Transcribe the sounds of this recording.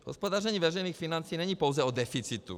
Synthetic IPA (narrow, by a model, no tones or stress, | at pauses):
ɦɔ̰spɔd̪aːrɛɲiʋɛrɛjniːxfinant͡siːɲɛɲipɔwd͡zɛɔd̪ɛfit͡sit̪ṵ